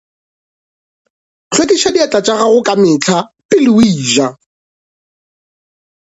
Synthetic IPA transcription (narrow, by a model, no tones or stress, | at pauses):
t͡ɬʰwetʼiʃadiat͡ɬʼat͡ʃʼaɣaɣʊkʼamɪt͡ɬʰapɪlʊwiːʒa